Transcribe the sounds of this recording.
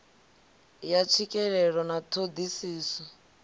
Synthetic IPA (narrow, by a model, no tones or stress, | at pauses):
jat͡ʃʰikʼɛɺɛɺɔnat̪ʰod̪isiːsɔ